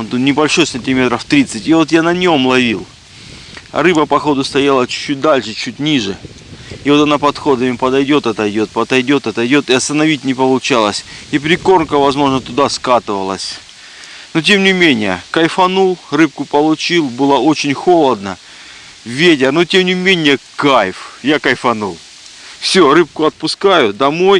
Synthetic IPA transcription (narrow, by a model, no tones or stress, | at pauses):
t̪unʲɪbɐlʲʂo̞jsənʲtʲɪmʲe̞t̪ɾəft̪ɾʲit̪sɨtʲɪvo̞t̪janɐnʲo̞mlˠɐvʲilˠ | ɐ̰ɾɨbəpɐxo̞d̪ʊst̪ɐjalˠət͡ɕʊ̥t͡ɕːut̚ʲd̪alʲʂɨt͡ɕutʲnʲiʐɨ | ivo̞t̪ɐnapɐt̪xo̞d̪əmʲɪpɐd̪ɐjdʲo̞t̪ɐt̪ɐjdʲo̞t̪̚pɐt̪ɐjdʲo̞t̪ɐt̪ɐjdʲo̞t̪ɨɐst̪ənɐvʲitʲnʲɪpəlˠʊt͡ɕalˠəsʲip̬ɾʲɪko̞rnkəvɐzmo̞ʐnət̪ʊd̪askat̪ɨvəlˠəsʲ | not̬ʲe̞mnʲɪmʲenʲɪjə̰kɐjfɐnulˠrɨp̚kʊpəlˠʊt͡ɕilˠbɨlˠəo̞t͡ɕɪnʲxo̞lˠəd̪nə | vʲet̬ʲɪrnotʲemnʲɪmʲenʲɪjəkajfjakɐjfɐnulˠ | fsʲo̞ɾɨp̚kʊɐt̪̚pʊskajʊd̪ɐmo̞j